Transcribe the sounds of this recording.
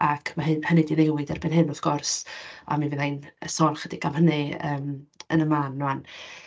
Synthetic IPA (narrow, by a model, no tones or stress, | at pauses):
akʰmaɦɨnhənɨdinɛwɪdɛrbɪnhɨnɔθɡ̥ɔrsa̰minviðajnəsɔrχədikʰamhənɨəːmənəmanːuan